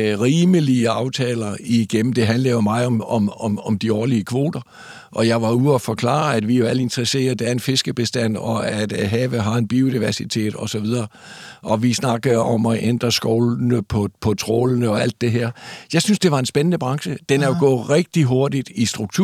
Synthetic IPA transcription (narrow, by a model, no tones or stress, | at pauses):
ʁiːməliəɑ̈ʊt͡sʰɛːlɐiɡ̥em̰m̩d̥e̝ɦænlɐjo̝mɑ̈ɪɒ̽mɒ̽mɒmɒmd̥iɒːliəkʰʋo̝̰ːd̥ɐ | ʔɒ̽jɑ̈ɪʋɑ̈uɒfɒ̽kʰlɑ̰̈ːæd̥ʋijo̝æləe̝nd̥ʁɐse̝̰ːɐðˠd̥ææɐe̝nfe̝sɡ̥əb̥e̝sd̥æn̰ɒ̽æd̥ɦɛːʋəɦɑ̈e̝nb̥io̝d̥iʋæɐsit͡sʰe̝̰ːd̥ɒ̽sɒʋið̞ˠɐː | ʔɒ̽ʋisnɑ̈ɡ̥əð̩ˠɒ̽mɒʔend̥ʁɐsɡ̥ɒʊlnəpʰɒpʰɒ̽t͡sʰʁo̰ːlnəɒ̽æl̰d̥ːe̝ɦeɐ̰jɑ̈ɪsynsd̥e̝ʋɑ̈e̝nsb̥enənəb̥ʁɑ̈ŋsəd̥enæjo̝ɡ̥ɔ̰̽ːʁɛɡ̥̚d̥iɦo̝ɐd̥id̥isd̥ʁuɡ̥̚t͡sʰu